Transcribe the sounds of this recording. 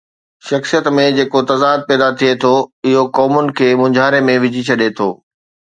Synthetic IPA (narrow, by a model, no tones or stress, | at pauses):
ʃɐxsijət̪mẽd͡ʑeːkot̪ɐzaːd̪̚pɛːd̪at̪ʰiet̪ʰoɪɦokɔːmʊnɪ̆kʰeːmʊ̃ɲd͡ʑʱaːɾemẽʋɪd͡ʑʱit͡ɕʰɐɗet̪ʰo̰ː